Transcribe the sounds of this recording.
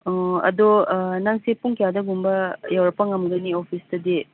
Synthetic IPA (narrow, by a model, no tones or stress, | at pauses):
ɐ̰donaŋsepuŋkjadɐɡumbɐjawɾɐpːɐŋɐmɡɐniopʰistɐdi